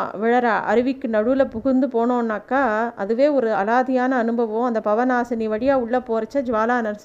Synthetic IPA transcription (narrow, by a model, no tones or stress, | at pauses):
ʋɪɻɐɾaːʔɐ̰ɾɯʋɪkːɯnɐɽɯlɐpʊɣɯɾnd̪ɯpoːɳõːnːaːkːaːɐ̰ðɯʋeːɔɾɯɐlaːðɪjaːnɐːnɯbɐʋɐʊ̃ɐnd̪ɐpɐʋɐnaːsɐniʋɐɽɪjaːʊɭːɐpoːɾɐt͡ʃːɐd͡ʒʋaːlaːnɐɾs